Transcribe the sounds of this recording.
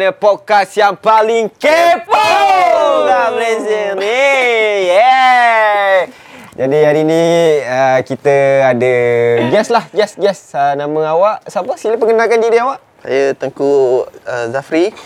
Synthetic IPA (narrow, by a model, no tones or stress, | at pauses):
nəpokasjaŋpalɪŋkepə | lamlezənijɛ | d͡ʒadiaɾinĩəkit̪əadəɡɛslahɡɛsɡɛsənãmə̃awaʔsapəskiləpəŋɡənakandiɾiawaʔ | sa̰jət̪əŋkuəzafɾi